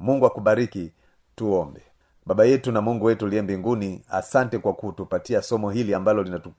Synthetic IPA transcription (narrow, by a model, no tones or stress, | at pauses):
muŋɡuwakuɓaɾiki | tuɔmbɛ | ɓaɓajɛtunamuŋɡuwɛtuliɛmbiŋɡunia̰santɛkwakutupatiasɔmɔɦiliambalɔlinatu